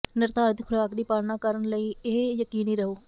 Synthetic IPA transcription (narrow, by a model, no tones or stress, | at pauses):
nəɾt̪aːɾət̪kʰʊɾaːkd̪iːpaːlnaːkəɾənləiːeːjəkiːniːɾəɦoː